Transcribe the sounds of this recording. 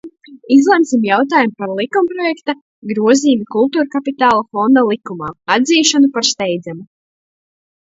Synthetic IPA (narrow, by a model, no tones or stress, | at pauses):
izlˠɛmsimjawt̪aːjumpaɾlˠikumpɾɔjɛkt̪a | ɡɾuɔziːmikulˠt̪uːɾkapit̪aːlˠafɔnd̪alˠikumaːad̪ziːʃanupaɾst̪ɛjd̪zamu